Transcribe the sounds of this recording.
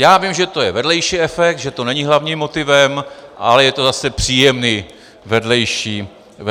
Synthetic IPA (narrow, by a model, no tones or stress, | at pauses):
jaːvimʒɛt̪o̞jɛvɛdlɛjʃiːɛfɛk̚t̪ʒɛt̪o̞nɛɲɪɦlavɲiːmːo̞t̪ɪvɛmʔa̰lɛjɛt̪ozasɛpr̝̥iːjɛmniː | vɛdlɛjʃiː